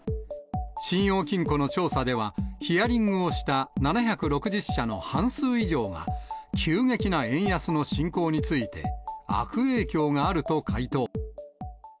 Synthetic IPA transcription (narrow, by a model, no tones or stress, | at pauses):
ɕĩɰ̃jo̞ːkʲĩŋko̞no̞t͡ɕo̞ːsad̪e̞β̞açiaɾʲĩŋɡɯ̟o̞ɕi̥t̪ananaçakɯ̟ɾo̞kɯ̟ʑiɕːano̞̰hãɰ̃sɨːiʑo̞ːŋa̰kʲʰɨːŋe̞kʲinaẽ̞ɰ̃jasɨno̞ɕĩŋko̞ːɲ̟it͡sɨit̪e̞̰a̰kɯ̟e̞ːkʲo̞ːŋaːɾɯ̟t̪o̞kʰait̪o̞ː